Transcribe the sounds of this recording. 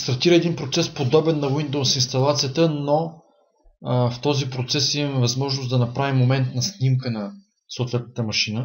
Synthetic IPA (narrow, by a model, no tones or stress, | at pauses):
st̪ɐɾt̪iɾəɛd̪inpɾot̪sɛspod̪ɔbɛnːɐwind̪owsinst̪ɐlˠat̪sijət̪əno | ft̪ɔzipɾot̪sɛsimɐmɛvɐzmɔʒnosd̪ɐnɐpɾavimːomɛnt̪nɐsnʲimkənɐ | sot̪vɛt̪̚nət̪əmɐʃinə